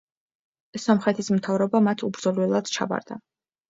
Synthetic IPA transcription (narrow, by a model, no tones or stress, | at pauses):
sɔmχɛt̪ʰismt̪ʰavɾɔbamat̪ʰubɾd̪zɔlwɛlˠad̪̥t͡ʃʰa̰ba̰ɾd̪a̰